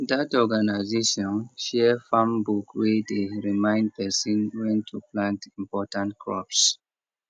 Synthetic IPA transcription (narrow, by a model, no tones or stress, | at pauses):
datɔɡanaɪzeʃɔ̃nʃɛfãmbukwedeɹimãɪ̃nd̚pʰɛsĩnwɛ̃ntʰuplãntĩmpɔtãntkʰɹɔps